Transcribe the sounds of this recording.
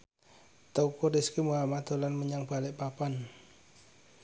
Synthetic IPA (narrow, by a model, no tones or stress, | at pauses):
t̪oukudiskimuɦamat̪̚o̤lanməɲaŋb̥alɪʔpapan